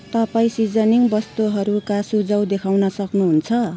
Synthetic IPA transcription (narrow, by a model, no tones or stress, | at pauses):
t̪ʌpaĩsid͡zʌniŋbʌst̪uɦʌɾukasud͡zʌwd̪ekʰawnʌsʌknuɦunt͡sʰʌ